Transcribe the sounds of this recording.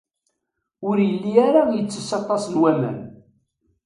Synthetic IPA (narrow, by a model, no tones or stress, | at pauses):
ʊɾjəlːiaɾajət͡sːə̥sɑt̪ˤːɑsənwæmæ̰n